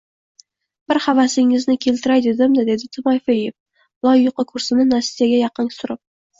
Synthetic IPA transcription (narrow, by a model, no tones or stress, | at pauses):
b̥ɪɾhavasɪŋɪznɪkʲʰe̞lt̪ɪɾajd̪ed̪ɪmd̪ɪd̪e̞d̪ɪt̪ʰɪmɒjfejef | b̥lˠɒjːʊqəkʰɵɾsɪnɪnasjaɡʲajɑqɨnsʊɾɪp̚